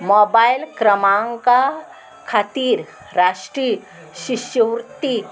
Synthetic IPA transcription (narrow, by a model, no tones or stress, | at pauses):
mɔbajilkɾəmãŋka | kʰat̪iːɾ | ɾaʂʈɾiː | ɕiɕjəʋɾt̪i